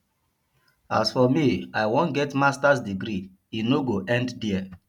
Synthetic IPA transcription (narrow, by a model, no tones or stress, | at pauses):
a̰sfɔmiaɪwõnɡɛtmastasdiɡɾi | inoɡoʔɛ̃nddiɛ